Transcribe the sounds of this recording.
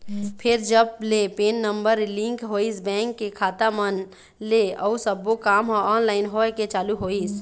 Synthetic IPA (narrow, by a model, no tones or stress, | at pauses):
pʰɪɾd͡ʒəb̚lepeːnːəmbəɾlɪ̃ŋkɦoːisbɛ̃ːŋkːekʰaːt̪amən | leɔusəbːokaːmɦoɔːnlaːɪnɦoket͡ʃaːluɦoːis